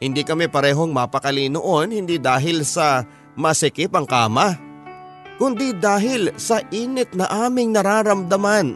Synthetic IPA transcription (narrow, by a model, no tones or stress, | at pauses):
hɪnd̪ikɐmɛpɐɾɛːɦo̞ŋmapɐkɐlinoʔo̞nhɪnd̪id̪aːɦɪlsɐ | mɐsɪkɪpɐŋkaːmɐ | kʊnd̪id̪aːɦɪlsɐʔiːnɪt̪̚nɐʔaːmɪŋnɐɾaːɾɐmd̪ɐman